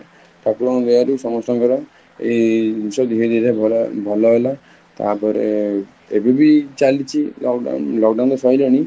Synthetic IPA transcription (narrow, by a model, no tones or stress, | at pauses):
ʈ̪akɔd̪eaɾusɔmɔst̪ɔŋkɔɾɔ | ḛnsɔd̪iɦed̪iɾebʱɔlɔɦela | t̪a̰pɔɾe | ebibit͡ʃalit͡ʃʰi | lɔkɖãnd̪ɔsɔjlɔɽ̃i